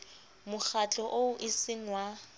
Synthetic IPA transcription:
mʊk͡xʰat͡ɬʼɔʔoʊʔɪsɪŋwa

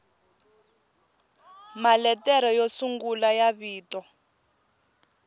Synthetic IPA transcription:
malɛtɛɾɔjosuŋɡulajaβiːtɔ

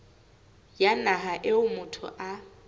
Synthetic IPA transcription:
janaɦaʔɪʊmʊtʰʊ̰ʔa

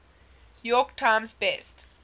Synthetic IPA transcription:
jɔktʰãɪ̃msbɛst

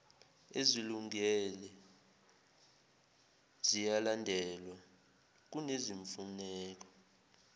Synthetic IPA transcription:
eziluŋɛlɛ | z̥ijalandʱɛlwa | k̬uneziɱfunɛːk̬ɔ̥

